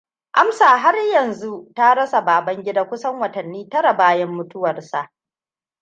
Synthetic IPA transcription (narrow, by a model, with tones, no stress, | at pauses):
ʔa˦msaː˨ɦa˦rjɐ˨nzu˦ta˦ɽɐ˦sa˨baː˨bɐ˦ŋɡʲɪ˦daː˦kʷʊ˦sɐ˦ŋwɐ˨tɐ˨nːiː˦tɐ˦ɽa˨baː˦jɐ˦mːʊ˦tʊ˦wɐ˨rsa˨ʔ